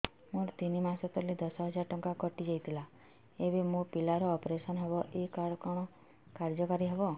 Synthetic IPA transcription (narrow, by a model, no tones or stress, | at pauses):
mũɾt̪inimasɔt̪ɔlid̪ɔsɔɦɔd͡ʒaɾʈɔŋkakɔʈid͡ʒajt̪ʰila | ebemũpilaɾɔːpɾesɔnɦebɔʔekaɾkɔɽ̃ɔ | kaɾd͡ʒɔkaɾiɦebɔ